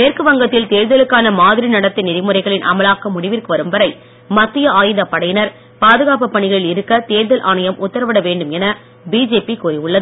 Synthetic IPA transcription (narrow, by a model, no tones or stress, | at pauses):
meːrkɯʋɐŋɡɐt̪ːɪlt̪eːɻðɐlɯkːaːnɐmaːðɪɾinɐɽɐt̪ːɪnɪɾɪmɯɾɐɪɣɐɭɪnʔɐ̰mɐlaːkːɐmːʊɽɪʋɪrkɯʋɐɾɯmʋɐɾɐɪ | mɐt̪ːɪjɐaːjɯðɐpːɐɽɐjɪnɐɾ | paːðɯɣaːpɯpːɐɳɪɣɐɭɪlɪɾɯkːɐt̪eːɻðɐlʔaːɳɐjɐmʊt̪ːɐɾɐʋɐɽɐʋeːɳɖɯmɛnɐ | biːd͡ʒeːpikuːriʊɭːɐðɯ